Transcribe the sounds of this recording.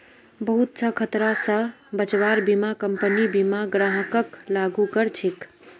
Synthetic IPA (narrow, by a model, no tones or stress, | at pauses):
bəɦut̪̚sʰə̃kʰət̪ɾasə̃bət͡ʃʋaɾbimakəmpənibimaɡɾaɦəkəklaɡukəɾt͡ʃʰik